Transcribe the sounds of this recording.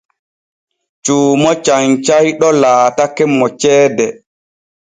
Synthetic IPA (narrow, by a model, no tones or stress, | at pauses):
t͡ʃuːmɔt͡ʃaɲt͡ʃajɗɔlaːtakɛmːɔt͡ʃɛːdɛ